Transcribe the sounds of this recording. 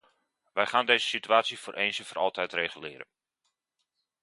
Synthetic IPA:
ʋɛjχaːndeːzəsityaːtsifoːrʔeːnsəfərɾɔ̰lˠtɛjtreːχylɪːɾə̰n

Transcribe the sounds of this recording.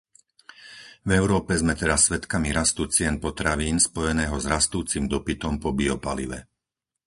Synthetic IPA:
vɛʊɾɔːpɛzmɛt̪ɛɾasːʋɛt̪kamiɾast̪ut͡sɪɛnpɔt̪ɾaʋiːnspɔjɛnɛːɦɔzɾast̪uːt͡simd̪ɔpit̪ɔmpɔbiɔpalḭʋɛ̰

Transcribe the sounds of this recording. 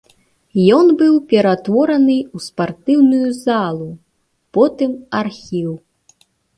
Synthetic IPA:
jɔnbɨwpʲɛɾat̪vɔɾɐnɨuspart̪ɨwnujuzalˠu | pɔt̪ɨmarxʲiw

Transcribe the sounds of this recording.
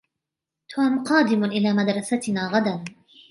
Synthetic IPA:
t̪ʰoːmqɑːd̪ɪmʊʔɪlaːmad̪ɾˤɑsat̪naːɣad̪an

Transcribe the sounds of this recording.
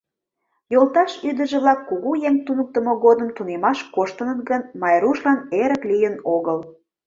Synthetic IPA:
jolt̪ɑʃyd̪ə̆ʒĕβlɑkːuɣujeŋt̪unək̚t̪ə̆moɣod̪əmt̪unemɑʃkoʃt̪ə̆nə̆t̪ɡənmɑjɾuʃlɑneɾə̆klijənoɣəl

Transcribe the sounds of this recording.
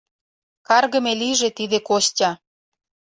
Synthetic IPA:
kɑrɣə̆meliʒet̪iðekoɕtʲɑ

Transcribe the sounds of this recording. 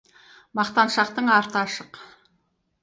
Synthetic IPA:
mɑqt̪ɑnʃɑq̚t̪əɴɑɾt̪əɑʃəq

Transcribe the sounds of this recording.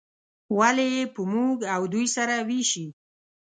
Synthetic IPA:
walejepəmuɡawd̪ujsaɾawiʃi

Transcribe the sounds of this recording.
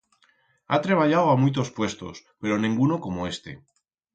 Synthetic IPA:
a̰t̪ɾe̞β̞aʎawamujt̪̬o̞spwe̞st̪o̞̰spe̞ɾo̞nĩŋɡunoko̞moe̞st̪e̞̰

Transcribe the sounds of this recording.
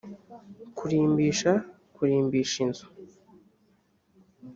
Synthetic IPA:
kuɾiːmbiːʃa | kuɾiːmbiːʃinzu̥

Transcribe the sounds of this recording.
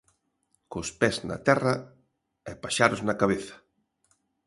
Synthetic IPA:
kospɛznɐ̰t̪ɛrɐ | ɛpaʃaɾoznɐkaβeθɐ̥

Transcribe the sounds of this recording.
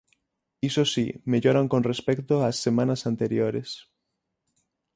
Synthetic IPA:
isosimeʎoɾaŋkonrespɛkt̪oasːemãnasant̪eɾjoɾḛs

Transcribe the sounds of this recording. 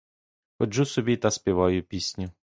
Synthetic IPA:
pɔd͡ʒusɔbʲit̪ɐspʲiʋɑjʊpʲisʲnʲi

